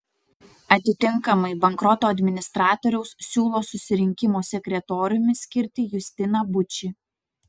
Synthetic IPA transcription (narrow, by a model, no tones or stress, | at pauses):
ɐt̪ʲɪt̪ʲɪŋˑkɐmɐɪbɐŋkɾɔt̪oːɐd̪ʲmʲɪnʲɪst̪ɾɑːt̪ɔɾʲɛʊssʲuːlˠoːsʊsʲɪɾʲɪŋʲkʲɪmoːsʲɛkʲɾʲɛt̪oːɾʲʊmʲɪsʲkʲɪɾʲt̪ʲɪjʊsʲt̪ʲɪnɐbʊt͡ʃʲɪ